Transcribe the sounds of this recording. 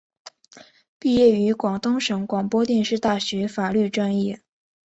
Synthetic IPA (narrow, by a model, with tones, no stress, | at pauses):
pi˥˧jɛ˥˩y˧˥kwɑ˨˩ŋt̪ʊ˥ŋʂɤ˧˥ŋkwɑ˨˩ŋpwɔ˥t̪jɛ˥˧nʂɻ̩˥˧t̪a˥˩ɕɥɛ˧˥fa˨˩ly˥˩ʈ͡ʂwa˥njɛ˥˩